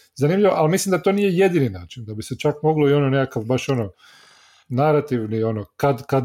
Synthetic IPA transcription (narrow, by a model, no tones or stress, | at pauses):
zanimʎiʋoʔalmislimd̪at̪o̞niːjejed̪iːninaːt͡ʃind̪abiset͡ʃakmo̞ɡloio̞none̞kakaʋbaʃo̞no̞ | naɾat̪iʋnio̞nokad̪kad̪